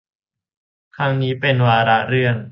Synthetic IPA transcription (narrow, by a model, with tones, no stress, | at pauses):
kʰɾa˦˥ŋniː˦˥pe˧nwaː˧ɾa˦˥ɾɯ˥˩əŋ